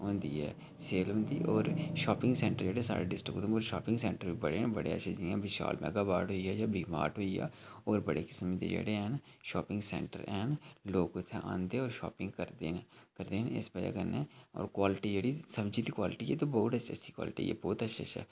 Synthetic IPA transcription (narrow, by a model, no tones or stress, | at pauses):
ɦõːnd̪ḭːɦɛː | seːlɦõːnd̪iːʔɔːɾʃaːpɪ̃ŋɡsɛ̃ːɳʈəɾd͡ʒeːɽesa̰ːɾḛɖɪsʈɾɪkːt̪õoːɾʃaːpɪ̃ŋɡsɛ̃ːɳʈəɾbibəɽebəɽeə̰tːʃʰed͡ʒiãːbɪʃa̰ːlmɛ̰ːɡaːbaːɾʈɦoːiɛːjaːbʱiːmaːɾʈɦoːiɛ̰ːɔːɾbəɽekɪ̥smĩd̪ḛd͡ʒḛːɽeɛnʃɔːpɪ̃ŋɡsɛ̰̃ːɳʈə̰ɾɛːnloːɡʊt̪ʰɛ̃ʔã̰ːnd̪eɔːɾʃɔːpɪ̃ŋɡkəɾd̪ekəɾd̪eːnɪsbəd͡ʒa̰kənːẽɔ̰ːɾkwaːlɪʈid͡ʒeːɽisəbd͡ʒiːt̪iːkwaːlɪʈiɦɛːt̪obɔːʊt̪əːʃʰətːʃʰi̥kwa̰ːlɪʈḭɛ̰ːbɔːt̪ətːʃʰtʃʰɛ̰ː